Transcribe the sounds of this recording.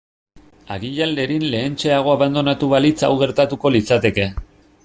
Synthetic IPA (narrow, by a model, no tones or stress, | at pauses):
aɣiʎalːe̞ɾinle̞ːnt͡ʃe̞aɣ̞o̞aβand̪o̞nat̪uβalit͡sa̰wɣe̞ɾt̪at̪uko̞lit͡sat̪e̞ke̞